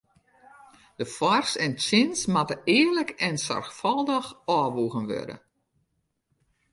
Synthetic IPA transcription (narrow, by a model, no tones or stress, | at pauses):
d̥əfɔrsɛnt͡ʃɪnsmatəʔɪːərləkʰɛnsa̰rxfɔlˠdəxɔːʋuɣənʋø̰də̰